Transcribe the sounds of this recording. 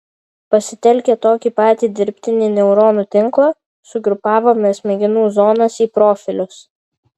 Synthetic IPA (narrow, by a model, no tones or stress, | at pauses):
pɐsʲɪt̪ʲɛlʲkʲɛt̪oːkʲiːpɑːt̪ʲiːd̪ʲɪɾʲpʲt̪ʲɪnʲiːnʲɛʊɾoːnuːt̪ʲɪŋˑklˠɐː | sʊɡɾʊpɑːʋoːmʲɛsʲmʲɛɡʲɪnuːzoːnɐsiːpɾoːfʲɪlʲʊs